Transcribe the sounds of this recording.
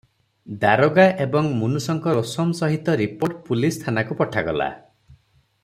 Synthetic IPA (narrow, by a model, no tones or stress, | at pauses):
d̪aɾoɡaʔebɔŋmunusɔŋkɔɾosɔmsɔɦit̪ɔɾipoɾʈpulist̪ʰanakupɔʈʰaɡɔ̰la̰